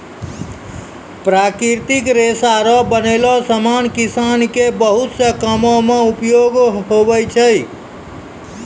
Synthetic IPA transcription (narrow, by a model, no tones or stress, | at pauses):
pɾakɾiɾt̪ikɾesaɾɔbənelɔsəmankisankebəɦut̪səkəmɔmeupjoɡɦobəjt͡ʃʰəj